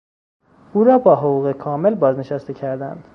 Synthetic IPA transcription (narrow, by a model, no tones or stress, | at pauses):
uːɾɒːbɒːɦoɣuːɣekʰɒːme̞lbɒːzne̞ʃæst̪e̞cʰæɾd̪æ̰nd̪̥